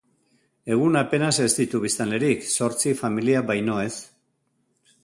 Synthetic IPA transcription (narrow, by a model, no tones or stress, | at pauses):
e̞ɣ̞unape̞nase̞zd̪it̪uβ̞ist̪ale̞ɾikso̞ɾt͡sifamiliaβajno̞e̞s